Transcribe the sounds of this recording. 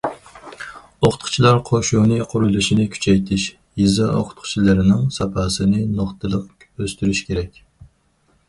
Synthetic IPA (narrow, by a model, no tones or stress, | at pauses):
oqʰʊt̪qʰʊ̥t͡ʃʰilˠɑɾqʰoʃunɨqʰʊɾulˠɨʃinɪkʲʰy̥t͡ʃʰɛjt̪ʰɪʃ | jizɑo̰qʰʊ̥t̪qʰʊ̥t͡ʃʰilˠɨɾɪnɪŋsɑpʰɑːsɨnɨnoχt̪ʰɨlˠəq | øst̪yɾyʃkʲʰeɾɛkʲ